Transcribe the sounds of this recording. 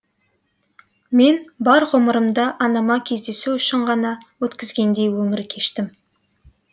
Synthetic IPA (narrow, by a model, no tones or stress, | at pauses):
me̞nbɑɾʁoməɾəmd̪ɑʔɑnɑmɑkʲʰe̞zd̪e̞suʏʃɪɴʁɑnɑwɵt̪kʲɪzɡʲe̞nd̪e̞jwɵmɪɾkʲʰe̞ʃt̪ɪm